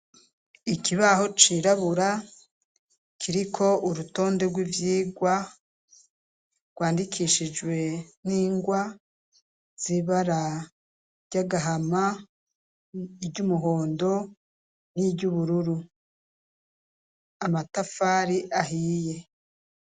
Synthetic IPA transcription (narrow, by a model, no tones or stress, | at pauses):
ikiβaho̞t͡ʃiɾaβuɾa | kʰiɾikʰo̞uɾuto̞ːnde̞ɡwivjiːɡwa | ɡ̥waːndikʰiʃid͡ʒwe̞niːŋɡwa | z̥iβaɾa | ɟ̥aɡaɦama | iɟumuɦo̞ːndo̞ | nibɟuβuɾuɾu | amatafaːɾiʔaɦiːje̞